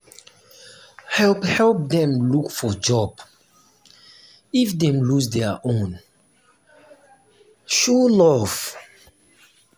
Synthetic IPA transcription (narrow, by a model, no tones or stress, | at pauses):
hɛlphɛlˠp̚dɛ̃mlukfɔd͡ʒɔb̥ | ifdɛ̃mlusdɛəʔõn | ʃulɔv̥